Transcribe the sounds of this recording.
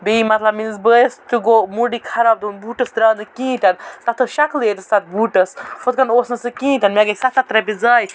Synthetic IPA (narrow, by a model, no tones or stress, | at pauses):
beimɐt̪lɐbminzbəjɐst̪uɡomuɖikʰɐɾab̚d̪unbuːʈɐsd̪ɾɐːnɨkĩːt̪ɐnt̪ɐt̪ʰɐʃɐkleːt̪ɨsat̪̚ʰbuːʈɐsfʰɐt̪̚kɐnoːsnɐsɨkĩːt̪ɐnmeɡɐsat̪ʰat̪ɾɐbid͡zɐːj